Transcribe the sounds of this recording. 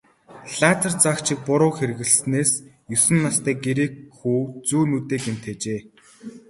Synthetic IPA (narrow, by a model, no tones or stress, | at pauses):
ɮaːt͡sʰə̆rt͡sakt͡ɕʰɪ̆k̚pʊɾʊːxeɾɘ̆ɣɘ̆ɮsneːs | jɵsɘ̆nːast̪æːɡeɾeːkxuːt͡suːnuːt̪eːken̥t̪ʰeːt͡ɕeː